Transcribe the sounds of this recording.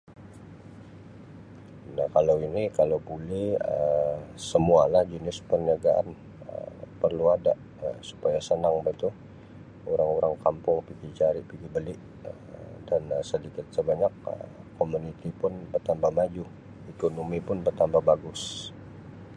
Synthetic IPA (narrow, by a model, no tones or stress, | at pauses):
nahkalawinikalawbulɛhəsəmualahd͡ʒənɪspərniaɡaʔa̰n | ə̰pərluadaʔ | əsu̥pajasənaŋbait̪u | uɾaŋuɾaŋkampʊŋpiɡit͡ʃaɾɪʔpiɡibəlɪʔ | ə | danəsədikɪt̪̚səbaɲakə̰komunit̪ipʊnbərt̪ambahmad͡ʒʊh | ikonomipʊnbərt̪ambahbaɡʊs